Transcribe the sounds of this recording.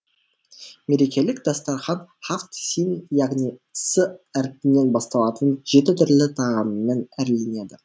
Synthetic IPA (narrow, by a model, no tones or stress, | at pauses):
me̞ɾe̞kʲe̞lɪkd̪ɑst̪ɑɾχɑnχaft̪sʲinjɑʁnisəæɾpɪnːe̞nbɑst̪ɑlˠɑt̪ənʒ̥e̞t̪ɪt̪ʰʏɾlɪt̪ʰɑʁɑnːenæɾle̞ne̞d̪ɪ